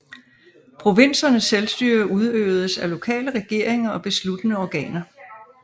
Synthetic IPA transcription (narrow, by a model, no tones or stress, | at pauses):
pʰʁo̝ʋe̝n̰sɐnəsːelsd̥yːɐʔuð̞ˠø̰ːʊð̞ˠəsælo̝kʰɛ̰ːləʁɛɡ̥e̝ɐ̰eŋɐɒ̽b̥e̝slud̥ənəɒɡ̥ɛ̰ːnɐ